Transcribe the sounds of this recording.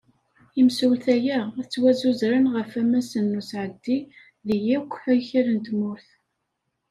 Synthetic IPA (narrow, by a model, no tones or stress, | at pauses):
imsulθæjæt͡sːwæzuzɾanʁəfæmæsənːusʕəd̪ːi | ðijikʷːħæjçəɾənt̪mʊɾθ